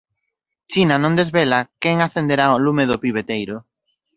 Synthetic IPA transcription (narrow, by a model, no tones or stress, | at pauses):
t͡ʃinanõŋd̪ezβelakɛŋaθend̪eɾaolumeðʊpiβet̪ejɾʊ